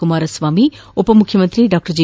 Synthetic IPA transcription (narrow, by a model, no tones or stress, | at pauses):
umaːɾɐsʋaːmi | opɐmʊkʰjəmɐnt̪ɾiɖaːk̚ʈəɾd͡ʑi